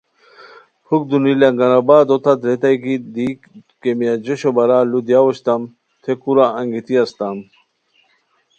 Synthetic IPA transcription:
huk̚d̪unilaŋɡɐnɐbaːd̪ot̪ad̪ɾet̪ajkid̪i | kemijad͡ʑoɕobɐɾalud̪jawoɕt̪am | t̪ʰekuɾaɐŋɡit̪iɐst̪am

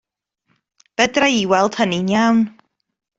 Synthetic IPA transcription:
b̥ɛdraiwɛlˠd̥həninjawn

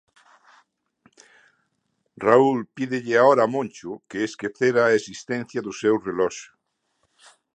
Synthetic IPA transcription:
raulpiðɪʎɪaoɾamõnt͡ʃʊkeːskeθeɾaːesist̪ɛ̃n̟θjɐðʊsewrelɔʃʊ̥

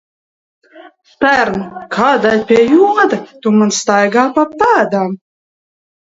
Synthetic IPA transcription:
pæɾnkʰaːd̪alʲpʲiɛjud̪at̪umanst̪ajɡaːpapːæːd̪am

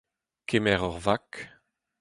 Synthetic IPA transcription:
kemɛʁɔʁvak

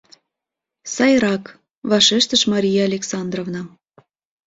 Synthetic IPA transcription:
sɑjɾɑk | βɑʃeʃt̪ə̆ʃmɑɾʲijɑːlʲeksɑnd̪rovnɑ

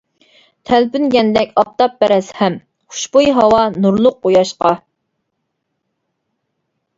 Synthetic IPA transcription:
t̪ʰælpynɡʲɛnd̪ɛkʲɑp̚t̪ɑp̚ːɛɾɛshɛm | χʊ̥ʃbujɦɑwɑnuɾlˠʊqːojɑʃqɑ

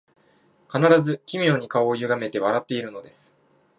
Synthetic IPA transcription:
kanaɾazɨkʲimʲio̞ːɲ̟ikao̞ːjɯ̟ɡame̞t̪e̞β̞aɾat̪ːe̞iɾɯ̟no̞d̪e̞sɨ̥

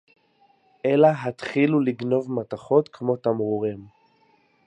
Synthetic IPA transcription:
ʔelaɦat̪χiluliɡno̞vmat̪aχo̞t̪kʰmo̞t̪amʁuʁim

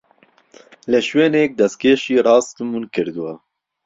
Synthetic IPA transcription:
lɛʃweːnek̚d̪ɛst̪̚kʰeːʃiːɾɑːst̪munkʰɪɾd̪uwa

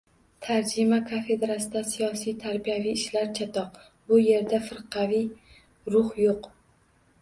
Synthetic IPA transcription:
t̪ʰaɾd͡ʒɪmakʰafe̞d̪ɾasɪd̪asijɒsijt̪ʰaɾbijavijɪʃlaɾt͡ʃʰat̪ʰɒq | bʊje̞ɾd̪afɪɾqʰɑvij | ɾʊhjoq

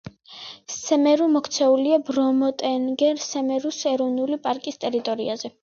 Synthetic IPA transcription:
sɛmɛɾumɔkʰt̪sʰɛuliabɾɔmɔt̪ʼɛnɡɛɾsɛmɛɾusɛɾɔvnulipʼaɾkʼist̪ʼɛɾit̪ʼɔɾḭazɛ

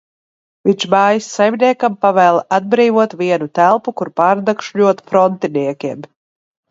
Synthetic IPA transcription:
viɲt͡ʃmaːjisːajmʲniɛkampavæːlˠad̪̚bɾiːvuɔt̪viɛnut̪ælˠpukuɾpaːɾd̪akʃʎuɔt̪fɾɔnt̪iniɛkʲiɛm

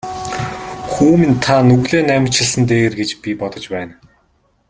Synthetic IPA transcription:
xuːmĭnt̪ʰanɵɣɮeːnæm̆ʲʰt͡ɕɪ̆ɮsə̆nt̪eːɣĕrɡet͡ɕpʲipɔt̪ɞ̆t͡ɕpæːn

